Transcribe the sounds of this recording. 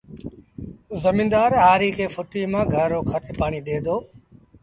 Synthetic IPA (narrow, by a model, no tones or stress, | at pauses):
zəmiːnd̪aːɾɦaːɾiːkʰeːfʊʈiːmãːɡʱəɾoːkʰət̪ʰɪpaːɽ̃iːɗeːd̪oː